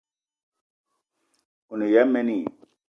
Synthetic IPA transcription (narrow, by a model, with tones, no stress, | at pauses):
u˨ni˨ja˦me˦ni˨